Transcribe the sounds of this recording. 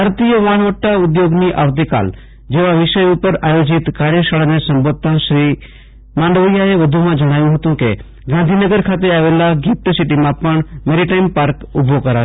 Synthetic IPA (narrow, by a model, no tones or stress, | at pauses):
aɾt̪ijəʋaːɳ̃ʋəʈːaʊd̪joːɡniʔa̰ʋt̪̬ika̰ːl | d͡ʒeʋaʋɪʃəjupəɾaːjoːd͡ʒɪt̪kaːɾjəʃaɭanesə̃mbod̪̚t̪ʰãʃɾi | mãːɳɖʋjaeʋəd̪ʱumãd͡ʒəɽ̃aːjũɦət̪ũkḛ | ɡãnd̪ʱinəɡəɾkʰat̪̬eaːʋeːlaɡʱit̪sɪʈimãpəɳ̃meɾiʈaɪmpaːɾkʊbʱokəɾa̰ː